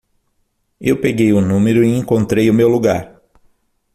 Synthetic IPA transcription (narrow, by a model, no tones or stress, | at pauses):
ewpeɡejʊnũmeɾʊiẽŋkõnt̪ɾejʊmewluɡa̰ɾ